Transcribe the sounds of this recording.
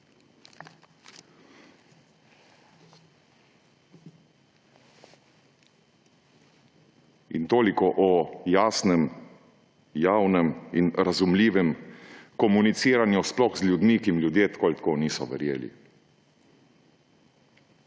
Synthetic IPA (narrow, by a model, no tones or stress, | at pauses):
ḭnt̪oːlikɔʔɔjaːsnɛm | jaːwnɛmḭnɾazumliːʋɛmkɔmunit̪siːɾanjusplɔxzlʲjud̪mikimljud̪jeːt̪kɔlʲt̪koːniːsɔʋɛ̰ɾjeːlḭ